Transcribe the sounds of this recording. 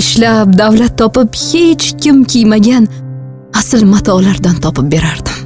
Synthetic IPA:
ɪʃlap̚d̪avlat̪ʰːɒpɪphe̞t͡ʃkʲʰɪmkʲʰijmaɡʲan | asɪlmat̪ʰɒlaɾd̪ant̪ʰɒpɪp̚be̞ɾaɾd̪ɪ

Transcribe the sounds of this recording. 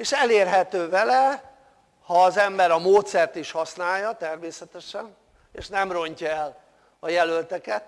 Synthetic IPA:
eːʃɛleːrɦɛt̪øːvɛlɛ | hɒːzɛmbɛɾɒmoːt̪sɛrt̪iʃhɒsnaːjːɒt̪ɛrmeːsɛt̪ɛʃɛn | eːʃnɛmro̞ɲcɒɛl | ɒjɛlølt̪ɛkɛt̪

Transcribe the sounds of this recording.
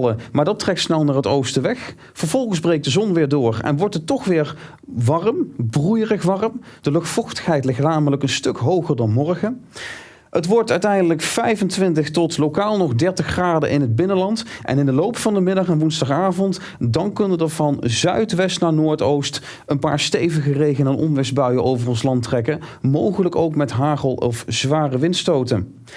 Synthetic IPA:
ləmaːɹdɑtrɛk̚tsnɛlˠnaːɹətowstəʋɛx | fəɹv̥ɔlˠχənzbrejk̚d̥əzɔnʋɪːɹdʊːɹɛ̰nʋɔɹtətːɔχʋɪːɹ | ʋɑrəmbrujərəxʋɑrəmd̥əlɵxtfɔxtə̥xɦɛjtlɪxtnaːmələkənstɵkɦowχəɹdɑnmɔrχə | ətʋɔɹtœɥtɛjndələkfɛjvəntʋɪntəxtɔtlowkaːlˠnɔχdɛɹtəxraːdə̰ʔɪnəd̚bɪnənlɑntʔɛ̰nɪndəlowpfɑndəmɪdɑχɛnʋunzdɑχaːvɔnt | dɑnkɵnədəɹvɑnzœ̰ɥtʋɛstnaːnoːɹtowst | ənpa̰ːɹstejvəɣərejɣənɛnʔɔ̰mʋɪsbœɥəʔowvərɔnslɑntrɛkəmowχələko̰wkmɛtɦaːχəlˠɔ̰fz̥ʋaːrəʋɪntstowtə̰n

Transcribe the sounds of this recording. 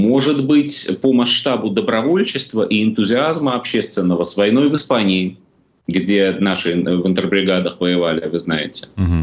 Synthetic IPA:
mo̞ʐɨt̪bɨtʲpəmɐʂt̪abʊd̪əbɾɐvo̞lʲt͡ɕɪst̪vəʔiɪnt̪ʊzʲɪazməɐpɕːe̞st̪vʲɪnːəvəsvɐjno̞jvɨspanʲɪː | ɡdʲe̞naʂɨvɨnt̪ərbɾʲɪɡad̪əxvəjɪvalʲɪ̰vɨznajɪ̰tʲɪ̥

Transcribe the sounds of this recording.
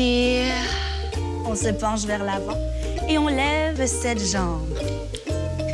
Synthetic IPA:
iʁ | ɔ̃səpɑ̃ʃvɛʁlavɑ̃ | eɔ̃lɛvsɛt̪ʒɑ̃b

